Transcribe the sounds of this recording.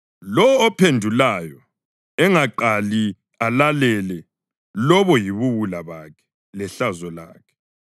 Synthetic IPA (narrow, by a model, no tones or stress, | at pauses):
lɔːpʰendʱulajɔ | ɛŋaǃali | alalɛlɛ | lɔβɔjiβuβulaβaːkʰɛ̥ | lɛɬazɔla̰ːkʰɛ̥